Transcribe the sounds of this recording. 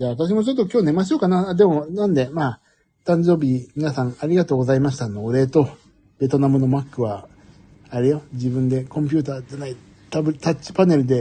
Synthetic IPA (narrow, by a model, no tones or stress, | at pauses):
d͡ʑaːβat̪aɕ̬imo̞t͡ɕo̞t̪ːo̞kʲo̞ːne̞maɕ̬o̞ːkanaad̪e̞mo̞nãnd̪e̞maː | t̪ãɲ̟d͡ʑo̞ːbʲimʲinasãŋ̃aɾʲiɡat̪o̞ːɡo̞zaimaɕi̥t̪anoɾe̞ːt̪o̞ | be̞t̪o̞namɯ̟no̞makːɯ̟βaː | ɾɯjo̞d͡ʑibɯ̟̃nd̪e̞kõ̞mp̬ʲɯ̟ːt̪aːd͡ʑanai | t̪abɯ̟t̪at͡ɕi̥pane̞ɾɯ̟d̪e̞